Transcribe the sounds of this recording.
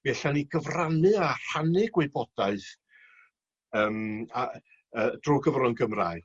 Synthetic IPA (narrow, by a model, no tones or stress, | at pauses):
b̥ɛɬaniɡ̥əvranɨahanɨɡ̥weɨbɔd̥aɨθ | əːma | əd̥ruːɡəvrɔnɡəmra̰ːɨ